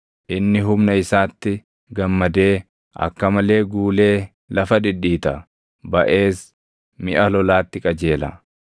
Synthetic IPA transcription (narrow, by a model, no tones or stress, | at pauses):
ʔɪnːɪɦʊmnɐɪsaːt̪ːɪ | ɡɐmːɐd̪e̞ː | ʔɐ̰kːɐmɐle̞ːɡuːle̞ː | lɐfɐd̪ɪᶑːiːt̪ɐ | bɐʔe̞ːs | mɪʔɐlɔlaːt̪ːɪkʼɐd͡ʒe̞ːlɐ̰